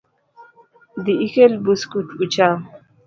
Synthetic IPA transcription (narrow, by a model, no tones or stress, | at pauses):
d̪iikelbuskutut͡ʃa